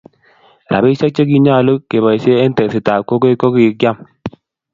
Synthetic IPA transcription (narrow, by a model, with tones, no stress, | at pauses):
ɾa̰˨bi˦sa˦k̚t͡ʃə˦ɡ̬i˦ɲa˦˨lə˦kːe˨ba˨jse˦e˦n˦tɛ˨si˨ta˨ko˦ɡe˦ko˦ɡi˦˨ɡja˦m